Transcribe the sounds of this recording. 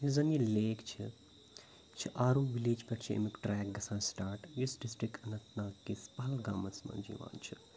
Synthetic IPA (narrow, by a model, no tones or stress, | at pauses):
juzɐnileːkt͡ʃʰḭ | t͡ʃʰiʔaːɾuːʋileːd͡ʒpʲɐʈt͡ʃʰiḛmikʈɾɛːk̚ɡɐsãːnsʈaːɾʈjusɖɪsʈɾikɐnɐt̪naːkːispɐɦɐlɡaːmɐsmɐ̰nʲd͡ʒḭːʋã̰ːnt͡ʃʰi̥